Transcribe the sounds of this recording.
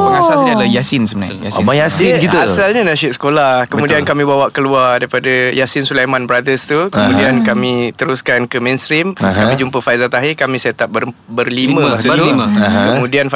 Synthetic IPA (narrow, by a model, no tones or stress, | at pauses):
bəŋasasədalajasɪnsəməna̰aabajasinkit̪əasalɲanaʃɪt̪sə̥kolahkəmuddiankamĩbawaʔkəluardaɾipadajasɪnsulajmãnbɾadəst̪ukəmudiankamit̪əɾuskankəmɛ̃nst̪ɾimkamĩd͡ʒumpəfaizat̪aɦikamĩset̪aʔ̚bəbərlimə̃ssəəiməkəmũdianf